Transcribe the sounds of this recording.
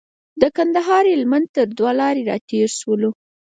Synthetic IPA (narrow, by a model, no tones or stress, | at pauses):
d̪əkand̪aɦɑɾelmant̪əɾd̪walɑɾeɾɑ̰t̪eɾʃwəlo